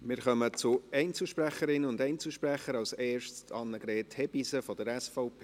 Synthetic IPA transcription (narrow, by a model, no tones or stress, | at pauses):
mɪːɾχœmət͡sʊɛɪnt͡sl̩ʃpræχəɾɪnəʊndɛɪnt͡sl̩ʃpræχəɾɑwsɛːʃstʰɑnːəɡɾɛːthɛbisəfɔd̥əɾɛsfɔʊpʰe